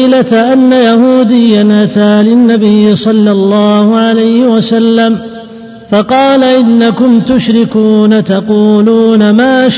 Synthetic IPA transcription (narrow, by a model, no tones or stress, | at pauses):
lat̪ʔanːajahuːd̪ɪjːanʔat̪aːlɪnːabɪjːɪsˤɑlːɑlˤːɑːhʊʕalajhɪwasalːam | fɑqɑːlaʔɪnːakʊmt̪ʊʃɾɪkuːnat̪ɑquːluːnamaːʃ